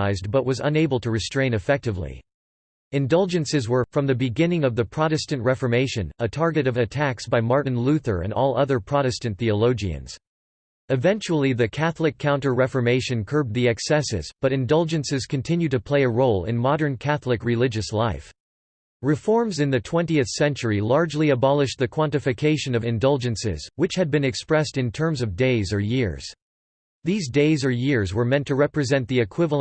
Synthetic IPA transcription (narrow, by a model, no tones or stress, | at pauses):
aɪzbʌt̚wʌzə̰̃neɪbl̩ˠtʰɨɹɨstɹ̥ẽɪ̃ñɨfɛk̚tɨvlḭ | ɨ̃ndʌlˠd͡ʒɨ̃nsɨzwə˞fɹʌ̃mðɨbɨɡɪ̃nɪ̃ŋʌvðɨpʰɹ̥ɑɾɨstɨ̃nʔɹɛfə˞meɪʃɨ̰̃nətʰɑɹɡɨɾʌvɨtʰæksb̥aɪmɑɹʔn̩lʉθə̰˞ɨ̰̃nɔlˠʌðə˞pʰɹ̥ɑɾɨstɨ̃nθiɨloʊd͡ʒiɨ̰̃nz̥ | ɨvɛ̃nt͡ʃul̩ˠiðɨkʰæθlˠɨkʰãʊ̃ntə˞ɹɛfə˞meɪʃɨ̃nkʰɜ˞b̚ðiɛksɛsɨ̰zb̥ʌɾɨ̃ndʌlˠd͡ʒɨ̃nsɨz̥kʰɨ̃n̩tʰɪ̃njʉd̚tɨpʰl̥eɪɨɹoʊlˠɪ̰̃nmɑɾə̃˞nkʰæθlɨkɹɨlɪd͡ʒɨslaɪf | ɹɨfɔɹmzɨ̃nðɨtʰw̥ɛ̃ntiɨθsɛ̃nt͡ʃə˞ilɑɹd͡ʒliɨbɑlˠɨʃðɨkʰw̥ɑ̃ntɨfɨkʰeɪʃɨ̃nʌvɨ̃ndʌlˠd͡ʒɨ̃nsɪ̰z̥wɨt͡ʃhɨd̚bɨ̃nɨkspɹɛstɨ̃ntʰɜ̃˞mzʌvdeɪzə˞jɪɹz̥ | ðizdeɪzə˞jɪɹzwə˞mɛ̃ntʰɨɹɛpɹɨzɛ̃nðiɨkʰw̥ɪvl̃ˠ